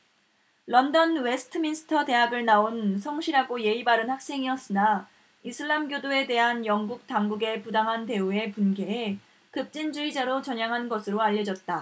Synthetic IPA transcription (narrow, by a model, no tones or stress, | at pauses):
lʌndʌnwe̞sʰɯ̥tʰɯminsʰɯ̥tʰʌte̞ɦaɡɯɭnaonsʰʌŋɕʰiɾɦaɡoje̞ibaɾɯnhak̚s͈e̞ŋiʌs͈ɯna | isʰɯɭːamɡjodoe̞de̞ɦanjʌŋɡuk̚taŋɡuɡe̞pudaŋɦante̞ue̞punɡe̞e | kɯp̚t͡ɕ͈ind͡ʑuid͡ʑaɾot͡ɕʌɲjaŋɦanɡʌsʰɯɾoaʎːʌd͡ʑʌt̚t͈a